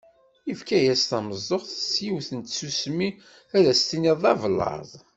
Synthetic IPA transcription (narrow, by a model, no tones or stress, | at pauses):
ifkæjæst̪ɑməzˤːoχθəsjiwθənt̪susmi | æðæst̪iniðˤɑvlːɑ̰ðˤ